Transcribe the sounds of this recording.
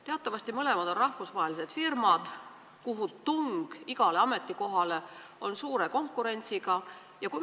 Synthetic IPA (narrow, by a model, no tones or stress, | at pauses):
t̪e̞ɑt̪ːˑɑvɑst̪imɤle̞mɑd̪̥o̞nrɑhfusvɑɦelise̞d̪̥firmɑd̪̥ | kuɦut̪uŋɡ̥iɡ̥ɑle̞ɑme̞t̪ˑːiko̞ɦɑle̞o̞nsuːɾe̞ko̞ŋkːˑuɾe̞nʲt̪siɡ̥ɑ | jɑku